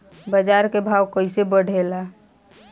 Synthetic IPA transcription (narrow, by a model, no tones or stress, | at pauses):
bəd͡ʒaɾkebʱawkəisebəɽʱela